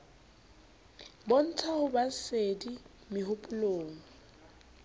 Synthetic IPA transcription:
bɔn̩t͡sʰahʊbasedi | mɪɦʊpʼʊloːŋ̩

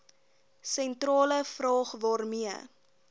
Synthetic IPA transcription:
sɛntrɑːləfrɑːχvɑːrmiə

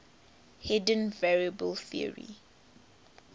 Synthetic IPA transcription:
hɛdə̃nvɛɹiəbəlθiə̰ɹḭ

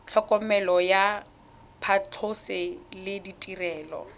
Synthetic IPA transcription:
t͡ɬʰɔkʼɔmɛlɔja | pʰat͡ɬʰʊsɪlɪditʼirɛːlɔ̰

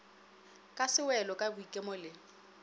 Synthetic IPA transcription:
kʼasɪwɛlɔkʼabʊikʼemɔlɪ

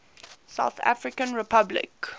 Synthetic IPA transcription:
sa̰ʊθa̰fɹɪkə̃nɹɛpʰablɪ̰k

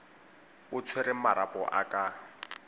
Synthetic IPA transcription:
ʊt͡sʰweɾɪmaɾapʼɔʔa̰kʼa

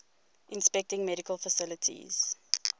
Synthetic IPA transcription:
ʔɪ̃nspɛk̚tɪ̃ŋmɛɾikəlˠfəsɪlətʰḭz̥

